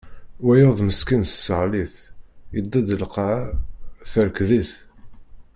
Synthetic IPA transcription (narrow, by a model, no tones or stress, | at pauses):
wæjoðməskinsə̥səʕliθjəd̪ːæd̪əlqa | θəɾkðiθ